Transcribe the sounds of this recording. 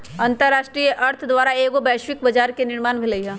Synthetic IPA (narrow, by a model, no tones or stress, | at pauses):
ɐ̃nt̪əɾːaːʃʈɾiːjəʔɐɾt̪ʰd̪ʋaːɾaeːɡobɛːʃwɪk̚bɐd͡ʒaːɾkenɪɾmaːnbʱɪləiɦɛ̃ː